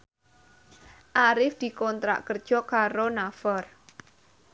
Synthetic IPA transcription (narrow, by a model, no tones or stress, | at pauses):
ʔaɾɪfd̪̥i̤kɔnt̪ɾa̰ʔkərd̥ʒ̥ɔ̤kaɾonafɔr